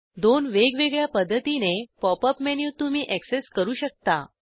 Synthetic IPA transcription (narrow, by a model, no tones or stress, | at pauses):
d̪onʋeɡʋeɡɭjapəd̪ʱːət̪inepɔpəpmenjuːt̪umiːʔækseskəɾuːɕək̚t̪a̰